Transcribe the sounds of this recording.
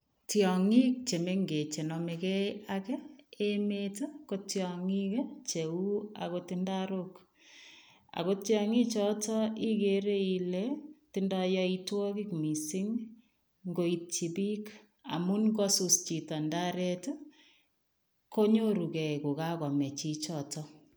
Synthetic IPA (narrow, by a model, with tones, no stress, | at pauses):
tjɔ˨ŋi˦k̚t͡ʃe˨me˦ŋɡe˨t͡ʃe˨nɔ˨mekɛ˦akɛ˦emeto˦ko˦tjɔŋi˦kt͡ʃe˨u˦a̰˨ko˦tɪndaɾok | a̰˨ko˦tjɔŋi˦t͡ʃɔ˦tɔ˦i˦keɾe˦i˨lɛtɪ˦nda˦jɔ˦i˦twɔ˦ki˦kmi˨si˦ŋ | ŋɡo˦i˨t͡ʃi˨bi˦k | a̰˨mu˦nkɔ˦su˨st͡ʃi˨ta˨nda˦ɾɛ˦to | ko˦ɲo˦ɾu˨kɛ˨ku˨ka˦kɔ˨mɛ˨t͡ʃi˦t͡ʃɔ˨tɔ